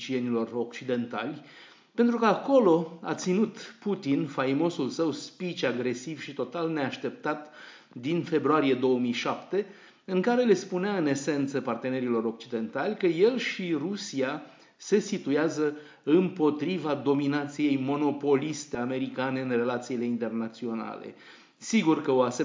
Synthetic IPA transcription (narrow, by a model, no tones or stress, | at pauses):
t͡ʃie̞nilo̞rokt͡ʃid̪e̞nt̪alʲ | pe̞nt̪ɾukəako̞lo̞a̰t̪sinut̪put̪infajmo̞sulsəwspit͡ʃaɡɾe̞siv̥ʃit̪o̞t̪alne̞aʃt̪e̞p̚t̪at̪ | d̪infe̞bɾuaɾije̞d̪o̞əmijʃapt̪e̞ | ɨŋkaɾe̞le̞spuneaɨne̞se̞nt̪səpart̪e̞ne̞ɾilo̞ɾo̞k̚t͡ʃid̪e̞nt̪alʲkəje̞lʃirusia | se̞sit̪ujazə | ɨmpo̞t̪ɾivad̪o̞minat̪sije̞jmo̞no̞po̞list̪e̞ame̞ɾikane̞ɨnre̞lat̪siːle̞int̪e̞rnat̪sio̞na̰le̞̰ | siɡurkəoase